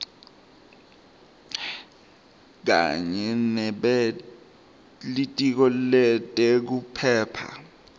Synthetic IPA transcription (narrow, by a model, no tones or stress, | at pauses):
k̬a̰ɲɛnɛɓɛ | litʼik̬ɔlɛtʼek̬upʰɛːpʰa̰